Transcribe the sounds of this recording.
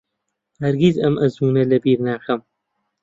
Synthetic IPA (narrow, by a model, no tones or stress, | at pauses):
hɐɾɡizɐmʔɐzuːnɐlɐbiːɾnaːxɐm